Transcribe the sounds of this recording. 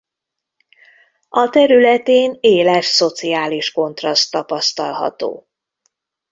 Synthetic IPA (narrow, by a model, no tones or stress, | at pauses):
ʔɒt̪ɛɾylɛt̪eːneːlɛʃso̞t̪siaːliʃko̞nt̪rɒst̪ːɒpɒst̪ɒ̰lɦɒ̰t̪o̰ː